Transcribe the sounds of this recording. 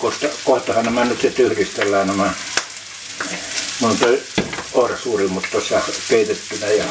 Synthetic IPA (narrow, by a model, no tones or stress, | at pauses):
kost̪ɑkoˑet̪ːɑhɑnnæmænyt̪sit̪yhrist̪elːæːnæmæ | noint̪ooˑrɑsuːrimut̪ːosːɑkeˑit̪et̪ːynæjɑ